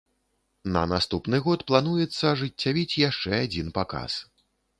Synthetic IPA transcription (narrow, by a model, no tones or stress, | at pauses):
nɐ̰nast̪upnɨɣɔt̪plˠan̪ujɛt̪sːɐʐɨt͡sʲːavʲit͡sʲjaʂt͡ʂɛad͡zʲinpaka̰s